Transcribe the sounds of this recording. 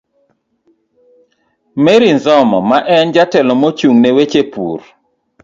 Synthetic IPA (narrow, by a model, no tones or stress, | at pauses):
meɾinzɔmɔ̰maʔɛnd͡ʒatɛlɔmot͡ʃuŋnewet͡ʃepṵr